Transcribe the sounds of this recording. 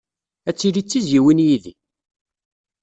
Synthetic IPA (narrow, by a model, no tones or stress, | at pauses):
æt͡sːiɾit͡sːiziwinjiðḭ